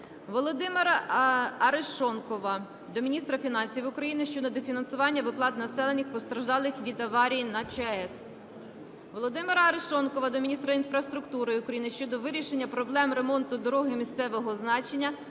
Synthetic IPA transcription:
ʋɔlˠɔd̪ɪmɪɾɐɐɾeʃɔnkɔʋɐ | d̪ɔmʲinʲist̪ɾɐfʲinɑnʲsʲiʋʊkɾɐjinɪʃt͡ʃɔd̪ɔd̪ɔfʲinɐnsʊʋɑnʲːɐʋɪplˠɑt̪nɐsɛlˠenʲixpɔst̪ɾɐʒd̪ɑlˠɪxʋʲid̪ɐʋɑɾʲijinɐt͡ʃeɛs | ʋɔlˠɔd̪ɪmɪɾɐɐɾeʃɔnkɔʋɐd̪ɔmʲinʲist̪ɾɐinspɾɐwst̪ɾʊkt̪uɾɪʊkɾɐjinɪʃt͡ʃɔd̪ɔʋɪɾʲiʃe̞nʲːɐpɾɔblˠɛmre̞mɔnt̪ʊd̪ɔɾɔɦɪmʲist̪sɛʋɔɦɔznɑt͡ʃenʲːɐ

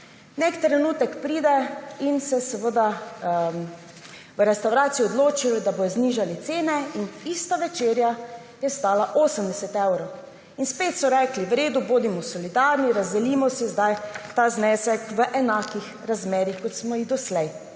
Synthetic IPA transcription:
nɛkt̪ɾɛnuːt̪ɛkpɾiːd̪ɛinsɛsɛʋəd̪a | ʋəɾɛst̪awɾaːt̪siuɔd̪loːt͡ʃilɔd̪aboːjɔzniʒalit̪seːnɛinist̪aʋɛt͡ʃeːɾja | jɛst̪aːlaʔoːsəmd̪ɛsɛt̪ɛwɾɔw | inspeːt̪sɔɾɛkliʋɾeːd̪uboːd̪imɔsɔlid̪aːɾniɾazd̪ɛlimɔsɛzd̪ajt̪aːznɛːsɛkʋəʔɛnaːkix | ɾazmeːɾixkɔt̪smɔiɣd̪ɔslɛj

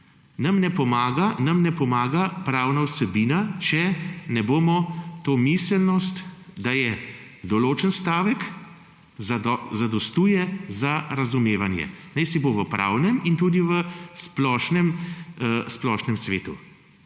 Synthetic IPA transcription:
nɐmnɛpɔmaːɡanamnɛpɔmaːɡapɾaːwnawsɛbiːnat͡ʃɛnɛboːmɔt̪oːmisəlnɔst̪d̪ajɛ | d̪ɔloːt͡ʃənst̪aːʋɛk | zzad̪ɔst̪uːjɛzaɾazumeːʋanjɛ̰nɛjsiboʋəpɾʔa̰wnɛmint̪uːd̪iʋəsplɔːʃnɛm | splɔːʃnɛmsʋeːt̪ṵ

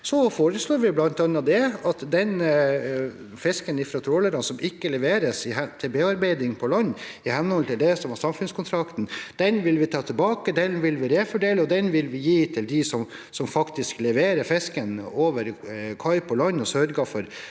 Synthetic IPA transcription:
sɔfoːɾəsloːɾʋɪblɑnt̪ɑnːɑd̪ɛɑt̪d̪ɛn | fɛskənɪfɾɑt̪ʰɾoːləɾɑnsɔmɪkːəlɛʋeːɾəsɪɛt̪ʰɪbeːɑɾbeɪd̪ɪŋpʰɔlɑnː | ɪhɛnːhɔlt̪ʰɪld̪ɛsɔmɑsɑmfʉnskʊnt̪ʰɾɑkt̪n̩d̪̥ɛnʋɪlʋɪt̪ʰɑːt̪ʰɪlbɑːkəd̪ɛnʋɪlʋɪɾeːfɔɖeːləɔd̪ɛnʋɪlʋɪjiːt̪ʰɪld̪ɪsɔm | sɔmfɑkt̪ɪsklɛʋeːɾəfɛskənoːʋəɾkʰɑɪpʰɔlɑnːɔsœɾɡɑfɔɾ

